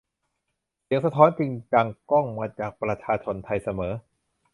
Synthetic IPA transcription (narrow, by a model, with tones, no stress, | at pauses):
si˨˩˦əŋsa˧t̪ʰɔː˦˥nt͡ɕi˧ŋt͡ɕa˧ŋkɔ˥˩ŋmaː˧t͡ɕaː˨˩k̚pɾa˧t͡ɕʰaː˧t͡ɕʰo˧nt̪ʰa˧jsa˧mɤː˩˦